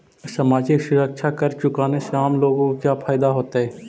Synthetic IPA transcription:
samaːd͡ʒɪksʊɾəkʃʰakɐɾt͡ʃʊkaːneseaːmloːɡõkkjapʰaːɪd̪aɦoːt̪aɦɛː

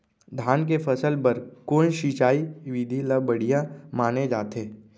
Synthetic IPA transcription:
d̪ʱaːnk̬epʰəsəlpɐɾkoːnʃiːt͡ʃaːiʋɪd̪ʱiləbəɽ̤ijãmaːned͡ʒaːt̪eː

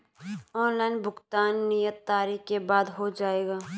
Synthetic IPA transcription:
ɔːnlaːɪnbʱʊkt̪aːnːijət̪ːaːɾikkebaːd̪ɦod͡ʒaːeːɡaː

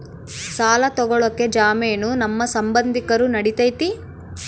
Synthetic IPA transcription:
saːlɐt̪ɔɡɔɭɐkːe̞d͡ʒaːmeːnunɐmːɐsɐmbɐnd̪ʱikɐɾunɐɽit̪ɐjt̪i

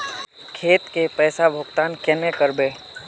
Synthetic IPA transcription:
kʰeːt̪kepɛːsabʱʊɡt̪aːnkɛnekəɾbeː

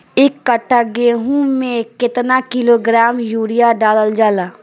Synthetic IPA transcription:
ɪkːəʈʰːaɡeːɦũmẽkɪt̪nakɪloɡɾaːmjuːɾijaɖaːləld͡ʒaːlaː

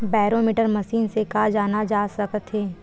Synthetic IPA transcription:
baːɾoːmiʈəɾmɐʃiːnsekaːd͡ʒaːnad͡ʒaːsɐkt̪ɦeː

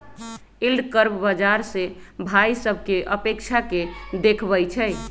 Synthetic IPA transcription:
ilɖkəɾbbad͡ʒaɾsebʱaisəbʱkeʔəpekt͡ʃʰaked̪ekʰbəjt͡ʃʰɛj

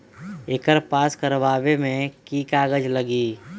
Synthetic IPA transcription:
ɪkəɾpaːskəɾʋaːʋemẽkiːkaːɡəd͡ʒləɡiː

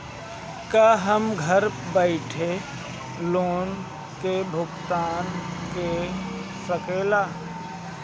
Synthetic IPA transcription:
kaːɦəmɡʱəɾbɛɪʈʰe | loːn | kebʱʊɡt̪aːnke | səkeːlaː

